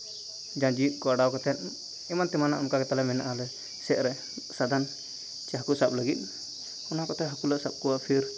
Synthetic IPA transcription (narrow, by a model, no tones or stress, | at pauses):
d͡ʒãd͡ʒit̪̚ˀkɔaɽawkɔt̪ʰɛn̚ | ɛmant̪ɛmanaʔɔmkakɛt̪alɛmɛna̰ʔalɛ | sɛʔ̪̚ɾɛ | sad̪ʱan | t͡ʃɛɦakusap̚ləɡit̪̚ˀ | ɔnakɔt̪ɛɦakulaʔsap̚kuwaʔpʰiɾ